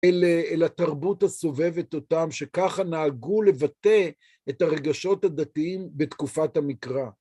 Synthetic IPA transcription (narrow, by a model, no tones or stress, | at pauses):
eleelataʁbuthaso̞ve̞vet̪ot̪amʃe̞kaχanaːɡule̞vat̪e̞ | et̪aʁe̞ɡaʃo̞tad̪at̪iimbet̪kufathamikʁa